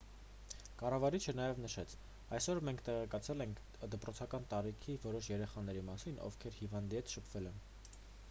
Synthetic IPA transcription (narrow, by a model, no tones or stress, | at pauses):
kɑrɑvɑɾit͡ʃʰənɑjɛvnəʃɛt͡sʰ | ɑjsɔɾmɛŋkʰt̪ɛʁɛkɑt͡sʰɛlɛŋkʰ | d̪əpɾɔt͡sʰɑkɑnt̪ɑɾikʰivɔɾɔʃjɛɾɛχɑn̪ɛɾimɑsinɔ̰vkʰɛɾhivɑnd̪iɛt̪ʃəpʰv̥ɛlɛn